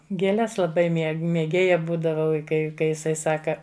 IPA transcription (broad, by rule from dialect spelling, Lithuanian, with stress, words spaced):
ɡʲeːˈlʲɛs lˠɐˈbɐɪ ˈmʲiɛ mʲeːˈɡʲeːjɛ ˈbuːdɐʋɐʊ ɪ ˈkɐɪ ˈkɐɪ jɪˈsɐɪ ˈsɑːkɐ